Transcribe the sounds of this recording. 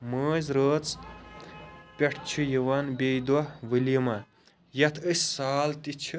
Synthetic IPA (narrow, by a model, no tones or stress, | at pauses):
məːzʲɾəːt͡s | pʲeʈʰt͡ʃʰujiʋɐnbʲejd̪wɐʋɨlimɐ | jɐt̪ʰəsʲsaːlt̪it͡ʃʰu